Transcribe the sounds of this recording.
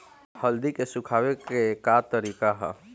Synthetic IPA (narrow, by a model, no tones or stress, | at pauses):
həld̪ikesʊkʰaːwekekat̪əɾiːkaɦɛ̰